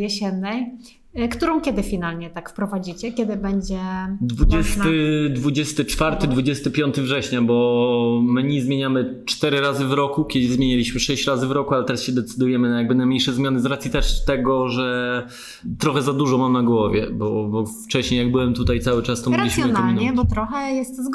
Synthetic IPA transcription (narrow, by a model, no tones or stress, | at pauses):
jɛɕɛnːɛj | kt̪uɾɔ̃w̃kʲjɛd̪ɘfʲinalɲɛt̪akfpɾɔvad͡ʑit͡ɕɛkʲɛd̪ɘbɛɲd͡ʑɛd̪vud͡ʑɛst̪ɘd̪vud͡ʑɛst̪ɘt͡ʂfaɾt̪ɘd̪vud͡ʑɛst̪ɘpʲjɔnt̪ɘvʐɛɕɲabɔmɘɲizmʲjeɲamɘt͡ʂt̪ɛɾɘɾazɘvɾɔkukʲɛd̪ɘzmʲjeɲalʲiɕmɘʂɛɕt͡ɕɾazɘvɾɔkualɛt̪ɛɾasɕɛd̪ɛt̪sɘd̪ujɛmɘnajaɡ̚bɘnajmɲejʂɛzmʲjanɘzɾat̪sʲjit̪ɛʂt̪ɛɡɔʐɛ | t̪ɾɔxɛzad̪uʐɔmamnaɡwɔvʲjɛbɔbɔft͡ʂɛɕɲejaɡ̚bɘwɛmt̪ut̪ajt̪sawɘt͡ʂast̪ɔmɾad͡ʑeɕsjɔnamlinɲɛb̪ɔt̪ɾɔxɛjɛst̪zɡ